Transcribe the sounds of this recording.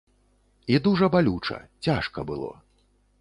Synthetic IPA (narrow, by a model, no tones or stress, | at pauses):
id̪uʐɐbalʲut͡ʂɐ̰t͡sʲaʂkɐbɨlˠɔ̰